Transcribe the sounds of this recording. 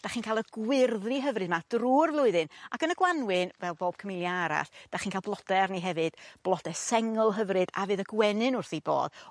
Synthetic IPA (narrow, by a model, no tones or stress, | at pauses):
d̥aχiːnkʰaːlˠəɡwɪrðriɦəvrɨd̚mad̥ruːrvlˠʊɨðɨnakənəɡwanwɨnvɛlˠboːb̥̚kʰəmɪlˠjaaɾa̰ɬd̥aχiːnkʰaːlˠblˠɔd̥ɛrniɦɛvɨd̥b̥lˠɔd̥ɛsɛŋʊlˠɦəvrɨd̥a̰vɨːðəɡwɛnɨnʊrθibo̰ːð